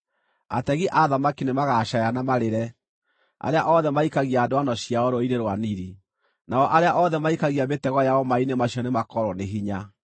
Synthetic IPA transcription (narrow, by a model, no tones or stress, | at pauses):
a̰tɛɣiʔaðamakinemaɣaʃajanamaɾeɾɛ | a̰ɾeaʔɔðɛmaikaɣiaːdoanɔɕiaɔɾoiɾeɾwaniɾi | naɔʔaɾeaʔɔðɛmaikaɣiabetɛɣɔjaɔmainemaɕiɔnemakɔɾwɔneɦiɲa